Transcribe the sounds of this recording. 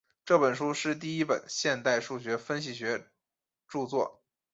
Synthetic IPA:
ʈ͡ʂɤ˥˩pə˨˩nʂu˥ʂɻ̩˥˧t̪̬i˥˩i˥pə̰˨˩nɕjɛ˥˧nt̪a˥˧ɪʂu˥˩ɕɥɛ˧˥fə˥nɕi˨˩ɕɥɛ˧˥ | ʈ͡ʂu˥˧t͡swɔ˥˩

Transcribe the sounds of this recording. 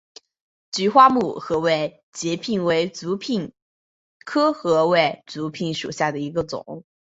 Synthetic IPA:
t͡ɕy˧˥xwa˥mu˥˩xɤ˧˥we˥˩ɪ | t͡ɕjɛ˧˥pʰi˥˩ŋwe˧˥ɪt͡su˧˥pʰi˥˩n | kʰɤ˥xɤ˧˥we˥˩ɪt͡su˧˥pʰi˧˩nʂṵ˨˩ɕja˥˩d̪ə˩i˧˥ɡə˧t͡sʊ̰˨˩˦ŋ

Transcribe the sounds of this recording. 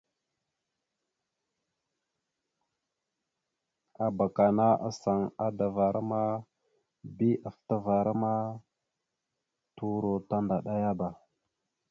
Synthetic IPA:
a˨ba˨ka˨na˦ʔa̰˨sa˨ŋa˦da˨va˨ɾʔa˦ma˦ | bi˦ʔa˨fta˦va˨ɾa˦ma˦ | tu˦ɾo˨ta˦nda˨ɗa˦ja˦ba˨

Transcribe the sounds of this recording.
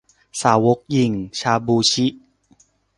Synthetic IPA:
saː˩˦wo˦˥k̚ji˨˩ŋt͡ɕʰaː˧buː˧t͡ɕʰi˦˥ʔ

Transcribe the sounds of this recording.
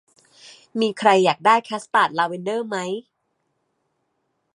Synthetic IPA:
miː˧kʰɾa˧jːaː˨˩k̚daː˥˩jkʰɛː˦˥st̪aː˨˩t̪̚laː˧wi˧ndɤː˥˩ma˦˥j

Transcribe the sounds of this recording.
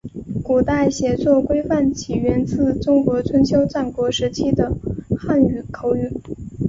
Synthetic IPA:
ku˨˩t̪a˥˩ɪɕjɛ˧˥t͡swɔ˥˩kwe˥ɪfa˥˩nt͡ɕʰi˨˩ɥɛ˧˥nt͡sɹ̩˥˩ʈ͡ʂʊ˥ŋkwɔ˧˥t͡sʰwə˧˥nt͡ɕʰjo˥ʊʈ͡ʂa˥˩nkwɔ˧˥ʂɻ̩˧˥t͡ɕʰi˥d̪ə˨xa˥˩ny˨˩kʰo˧˥ʊy˧˩˦

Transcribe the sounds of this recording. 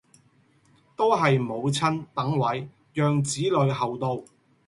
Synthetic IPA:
t̪o˥wɦɐ˨jmo˨˧wt͡sʰɐ˥nt̪ɐ˨˥ŋwɐ˨˥j | jœː˨˧ŋt͡siː˨˥lɵ˨˧ɥɦɐ˨wt̪o˧w

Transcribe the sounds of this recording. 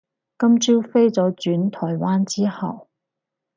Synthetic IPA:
kɐ˥mt͡siː˥wfe˥jt͡sɔː˨˥t͡ʃyː˨˥nt̪ʰɔː˨˩jwaː˥nt͡siː˥hɐ̰˨w

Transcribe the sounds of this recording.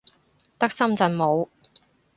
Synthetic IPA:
t̪ɐ˥k̚sɐ˥mt͡sɐ˨˧nmo˨˧w

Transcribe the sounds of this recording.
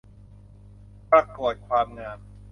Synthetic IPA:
pɾa˧ko˨˩ət̪̚kʰwaː˧mŋaː˧m

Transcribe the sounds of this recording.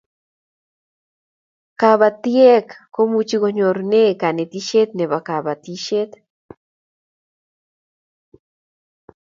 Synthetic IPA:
ka˧βa˧t̪je˦kko˦mu˧t͡ʃi˧ɣo˧ɲo˨ɾne˦ka˨ne˨t̪i˦ʃe˦t̪̚ne˨βa˨ka˨βa˨t̪i˦ʃe˦t̪

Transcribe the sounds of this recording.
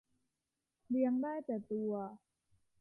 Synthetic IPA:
li˧əŋdaː˥˩jt̪ɛː˨˩t̪u˧ɐ

